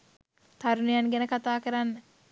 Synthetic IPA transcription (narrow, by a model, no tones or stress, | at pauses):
t̪aɾunijanɡɛnəkat̪aːkəɾanːə